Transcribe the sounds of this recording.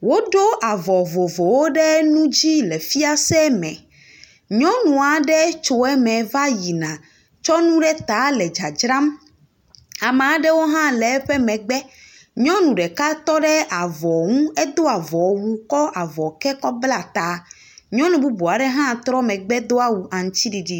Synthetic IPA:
wo˦ɖo˦ʔa˨vɔ˨vɔ˨vɔ˨wo˦ɖɛ˦nũ˦d͡ʑi˦lɛ˨fi˦a˦sɛ˦mɛ̰̃˨ | ɲɔ̃˦nũ˨a˨ɖɛ˦t͡ʃo˨ɛ˦mɛ̃˨va˦ji˨nã˨ | t͡ʃɔ˦nũ˦ɖɛ˦t̪a˨˦lɛ˨d͡ʒa˨d͡ʒɾã˦m | a˨mẽ˨a˨ɖɛ˦wo˦ɦã˦lɛ˨˦ɸɛ˦mɛ̃˨ɡ͡bɛ˦ | ɲɔ̃˦nũ˨ɖɛ˨ka˦t̪ɔ˦ɖɛ˦ʔa˨vɔ˨ŋũ˦ɛ˦d̪o˦a˨vɔ˨wu˦kɔ˦ʔa˨vɔ˨kɛ˦kɔ˦bla˦t̪a˨ | ɲɔ̃˦nũ˨bu˦bu˨a˨ɖɛ˦ɦã˦˨t̪ɾɔ˦mɛ̃˨ɡ͡bɛ˦d̪o˦a˦wu˨ʔa˨ŋ̩˦t͡ɕi˦ɖi˨ɖi˦

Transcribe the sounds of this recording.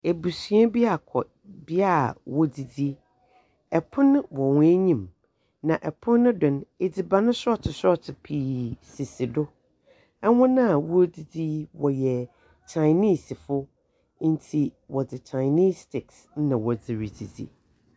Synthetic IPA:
e˨bu˨sɥɛ˦bi˦a˨kʰɔ˨ | bi˦a˦˨wɔ˨di˨di˦ | ɛ˨pʰʊ̃˦nʊ̃˦wɔ˨wʊ̃˦e˦ɲĩ˦˨m | nã˨ʔɛ˨pʰʊ̃˦nː˦ʊ̃˦dʊ̃˨n˦e˨d͡zi˨ba˨nʊ̃˦sʊ˦ɔ˦tʰɪ˨sɔ˦tʰɪ˨pʰiː˨si˨sɪ˨dʊ˦ | ɛ˦wʊ̃˦nã˦˨wɔ˦di˨d͡zi˦wɔ˨jɛ˨ | t͡ɕʰa˨ɪni˦˨si˨fʊ˦ | n̩˦tʰi˨wɔ˨d͡zɪ˨t͡ɕʰa˨ɪni˦stʰɪ˨ks | n˦nã˨wɔ˨d͡zɪ˨ɾi˨d͡zḭ˨d͡zḭ˨

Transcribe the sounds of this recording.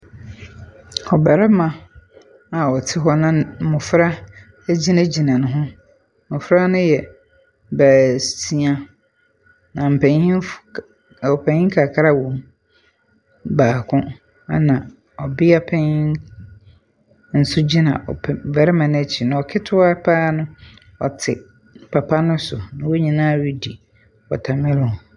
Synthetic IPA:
ɔ˨bɛ˨ɾɛ˦mã˨ | a˨ɔ˨tʰɪ˦ɦɔ˦nʊ̃˦mʊ̃˨fɾa˦ | d͡ʑi˦nã˦d͡ʑi˨nã˨nʊ̃˨ɦʊ̃˦ | mʊ̃˨fɾa˦nʊ̃˦jɛ˨ | bæː˨stʰi˦a˦ | nã˨m̩˨pʰɛ̃˨ɲĩ˦ | ɔ˨pʰɛ̃˨ɲɪ̃˦ŋ˦kʰa˨kʰa˦ɾa˦wõ˨m | baː˨kʰʊ̃˦ | a̰˦nã˨ | ɔ˨bɪ˦a˦pʰɛ˦ɲɪ˦ | n̩˨sʊ˦d͡ʑi˦nã̰˨ʔɔ̰˨vɛ˨ɾɪ˦mã˨n˦æ˦˨t͡ɕʰi˨nã˨ɔ˨kʰɪ˦tʰʊ˦a˦pʰa˦nʊ̃˦ | ɔ̰˨tʰɪ˨ | pʰa˨pʰa˦nʊ̃˦sʊ˨nã˨wo˦ɲĩ˨nãː˦˨ɥi˦di˨ | ɔ˨tʰa˨mɪ̃˦lʊ˨

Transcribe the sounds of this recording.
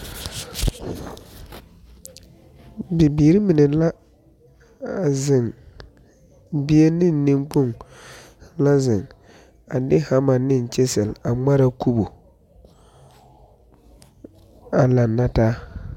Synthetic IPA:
bɪ˨biː˨ɾɪ˦mɪ˨nɪ˨la˦˨ | zɪ˨ŋ | bi˦e˦nɪ˦˨nː˦ɪ˦ŋk͡pu˦˨ŋ | la˦zɪ˨ŋ | a˨dɪ˦ha˦ma˨nɪ˦˨n˨t͡ʃe˦sɛ˨la˨ŋ͡ma˦ɾa˨ku˦bo˨ | a˨la˨nːa˦taː˦

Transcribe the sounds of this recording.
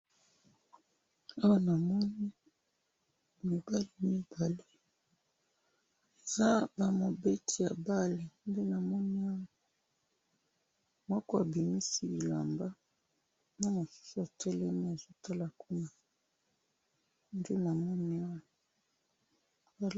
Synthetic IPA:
a˦wa˦na˨mɔ˦ni˦ | mi˨ba˦li˦mi˦b̥a˨le˦ | e˨za˦ba˨mo˨be˦tʰi˨ja˨ba˦le˨nde˦na˨mɔ˦ni˦a˦wa˨ | mɔ˦kɔ˦a˨bi˨mi˦si˦i˨la̰˨mba˦ | na˦mo˨su̥˦su˨a˨tɛ˦lɛ˦mi˦e˨zo˦tʰa˦la˨ku˦na˨ | nde˦na˨mɔ˦ni˦a˦wa˨ | a˨

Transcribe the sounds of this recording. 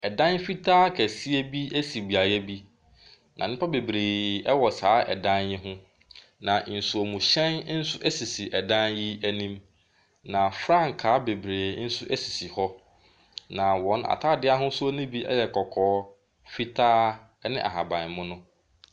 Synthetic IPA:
ɛ˨dã˦nfi˦tʰaː˦kʰæ˨si˦e˦bi˦æ˦si˨bi˨a˨jɛ˦bi˦ | nã˨nɪ̃˦pʰa˦be˨bɾeː˨ɛ˦wɔ˨saː˨˦ʔɛ̰˨dã˦njɪ˦ɦʊ̃˦ | nã˨n̩˨su˨ɔ˨mũ˨ɕɛ̃˦n˦n̩˦sʊ˦ʔɛ˦si˨si˨ʔɛ˨dã˦nji˦æ˦nĩ˦m | nã˨fɾã˦ŋ˨kʰaː˨˦be˨bɾeː˨˦n̩˦sʊ˦ʔæ˦si˨si˨hɔ˦ | nã˨wɔ̃˨˦na̰˨tʰaː˦˨dɪ˦a˦ɦʊ̃˦sʊ˦o˦nĩ˦bi˦ɛ̰˦jɛ˨kʰɔ˨kʰɔː˨˦ | fi˦tʰaː˦ | nɪ̃˦ʔa̰˨ɦa˨bã˨nmʊ̃˦nʊ̃˦

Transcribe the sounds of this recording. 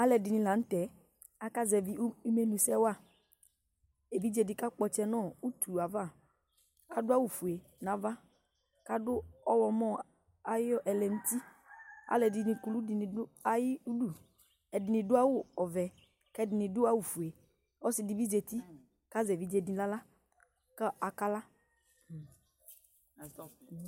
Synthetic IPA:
a˦lɛ˨dɪ˨nɪ̃˧la˨n̩˦tɛ˨˦ | a˨ka˦zɛ˨vi˦u˦me˨˦nũ˨sɛ˦wa˦˨ | e˨vi˦d͡ʒe˧dɪ˨ka˦k͡pɔ˧t͡ʃɛ˧nɔ̃˦˨u˦tu˨a˨va˦˨ | ka˦dʊ˦a˦wu˨fu˨e˨ | na˨˦va˦ | ka˦dʊ˦ɔ˦wɔ˧mɔ̃˦ | a˨jɔ˦ʔɛ˨lɛ˨n̩˦ti˦ | a̰˨lɛ˨dɪ˨nĩ˨ku˨lu˦dɪ˨n˨ʊ˦a˨ji˦u˦du˦˨ | ɛ˨dɪ˨nɪ̃˨dʊ˦a˦wʊ˦ɔ˨vɛ˨ | kɛ˦dɪ˨nĩ˨dʊ˦a˦wu˨fu˨e˨ | ɔ˦sɪ˨di˨bi˦ze˨t̪i˦ | ka˦zɛ˨vi˦d͡ʒe˨di˨la˦la˦ | ka˦a˨ka˦la˦˨

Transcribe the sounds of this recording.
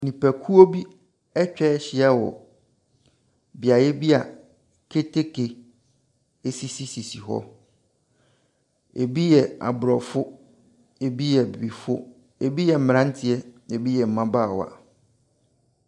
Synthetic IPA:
nĩ˨pæ˨kʰu˦o˦bi˦ | ɛ˦t͡ɕᶣɛ˦ɕɪ˦a˦wɔ̰˨ | bi˨a˨jɛ˦bi˦a˨ | kʰe˦tʰe˦kʰe˨ | e˦si˦si˦si˨si˨ɦɔ̰˦ | ḛ˨bi˦jɛ˨a̰˨bʊ˨ɾɔ˨fʊ˦ | e˨bi˦jɛ˨bi˨bi˨fʊ˦ | e˨bi˦jɛ˨m̩˨m̃˨ã˦n˦tʰɪ˨ɛ˦e˨bi˦jɛ˨m̩˨mã˦baː˦˨wa̰˨

